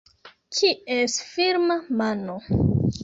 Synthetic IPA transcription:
kʰiesfiɾmamano

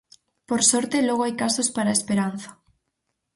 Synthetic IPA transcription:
poɾsɔɾt̪elɔɣoajkasospaɾaespeɾan̟θḁ

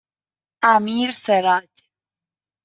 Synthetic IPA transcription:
amiɾseɾac

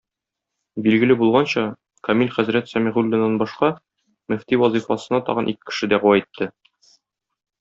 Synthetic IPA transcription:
bilɡɘ̆lɘbulˠʁɑnɕɑ | kɒmilʲχæzɾæt̪sɒmiʁʉlʲːɘ̆nːɑnbɒʃqɑ | mɘ̆ft̪iwɒzifɑsɤ̆nɑt̪ɒ̰ʁɤ̆nʔikɘkːɘ̥̆ʃɘd̪æʁɤwɑit̪ːɘ

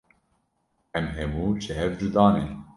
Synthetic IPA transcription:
ɛmɦɛmuːt͡ʃʰɨɦɛvd͡ʒud̪ɑːne

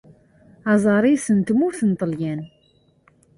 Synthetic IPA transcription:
ɑzˤɑɾˤijsənt̪mʊɾθənt̪ˤəljæn

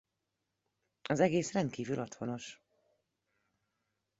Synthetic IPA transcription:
ɒzɛɡeːsrɛnt̪̚kiːvylʔɒt̪ho̞no̞ʃ

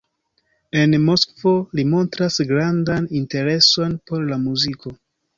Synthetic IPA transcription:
e̞nmo̞skvo̞limo̞ntɾasɡɾandaninte̞ɾe̞so̞npo̞ɾlamuziko̞

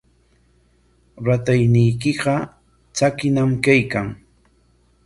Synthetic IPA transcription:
ɾat̪ajnɪjkɪɢɑ | t͡sakɪnamkajkaŋ

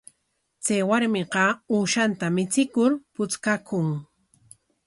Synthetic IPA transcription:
t͡sajwaɾmɪqɑuːʃant̪amɪt͡sɪkʊɾpʊt͡skakʊŋ

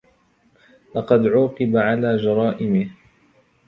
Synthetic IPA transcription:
lɑqɑd̪ʕuːqɨbaʕalaːd͡ʒɑɾˤɑːʔɪmɪh

